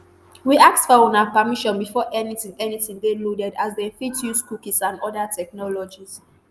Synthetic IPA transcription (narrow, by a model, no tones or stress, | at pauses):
wiak̚tfɔɔ̃napamiʃɔ̃nbifɔʔɛnitĩŋɛniθĩŋdeludɛdazdefitʰjuskukisãndɔdatʰɛk̚nɔlɔd͡ʒis